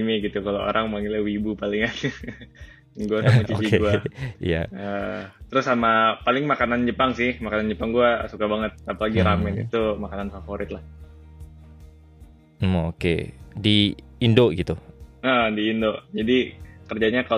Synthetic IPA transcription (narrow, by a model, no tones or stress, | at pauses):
miɡit̪ukaloʔo̰ɾʔaŋmaŋilawibupalɪŋat̪ | ɡuasamat͡ʃit͡ʃiɡuaḭja̰ət̪əɾʊsːamapalɪŋmakanand͡ʒəpaŋsɪhmakanand͡ʒəpaŋɡuasukabaŋət̪̚ːapalaɡiɾamɛnḭt̪umakananfafoɾɪt̪̚lah | okḛdi | indoɡit̪u | diːndod͡ʒadikərd͡ʒaɲaka